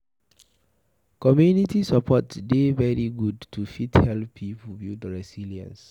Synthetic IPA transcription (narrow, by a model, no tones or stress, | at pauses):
kɔmjunitisapʰɔtdevɛɹiɡudtufithɛlpʰːipubidɹɛsiliã̰ns